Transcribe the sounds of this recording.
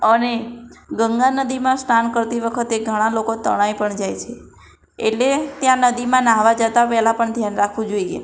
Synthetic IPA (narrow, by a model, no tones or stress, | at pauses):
əneɡəŋɡanəd̪imãsʈankəɾt̪iʋəkʰət̪eɡʱəɽ̃ãlokot̪əɽ̃ajpəɳd͡ʒajt͡ʃʰe | eʈlet̪jãnəd̪imãnaɦʋad͡ʒət̪apɛɦlãpəɳd̪ʱjanɾakʰʋũd͡ʒoiḛ